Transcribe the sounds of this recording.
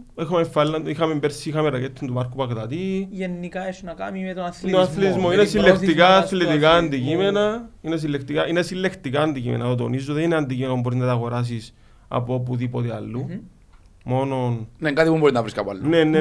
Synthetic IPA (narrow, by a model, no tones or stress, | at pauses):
ixɐmefalːɐnixɐmembeɾsiixɐmeɾɐket̪ʰːind̪umɐɾkːupɐkt̪ɐt̪ijenːikaesunɐka̰mimet̪oθt̪onaθlet̪izmoinesilːekt̪ikaθlet̪ikaːnd̪ikimenɐines̬ilːekt̪ikaʔinesilːekt̪ikaːnd̪icimḛnɐt̪ot̪o̰nizːuðenineand̪ikimenomboɾiznɐt̪ɐɣoɾas̬is | ɐ̰poop̬uðipot̪eɐ̰lːu | mo̞nonneŋɡat̪ipumboɾiznɐvɾiskɐpa̰lːnenːe